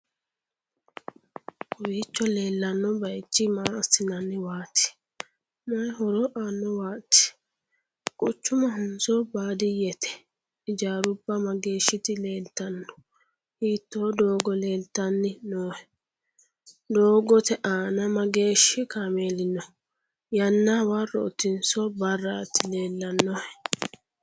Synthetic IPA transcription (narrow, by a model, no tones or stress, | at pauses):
kʊwit͡ʃːɔle̞ːlːɐnːɔbɐjt͡ʃːɪmaːɐsɪnɐnːɪwaːt̪ːɪ̥ | mɐjɦɔɾɔʔaːnːɔwaːt̪ːɪ̥ | kʼʊt͡ʃːʊmɐɦʊnsɔbaːd̪ɪjɛt̪ɛ̥ | ɪd͡ʒaːɾʊbːɐmɐɡe̞ːʃːɪt̪ɪle̞ːlt̪ːɐnːɔ̥ | hiːt̪ːod̪oːɡɔle̞ːlt̪ːɐnːɪnoːhɛ | d̪oːɡɔt̪ɛʔaːnɐmɐɡe̞ːʃːɪkameːlɪnːɔ | jɐnːawarːɔ̰ɔ̰t̪ːɪnsɔbɐrːat̪ːɪleːlːɐnːɔhɛ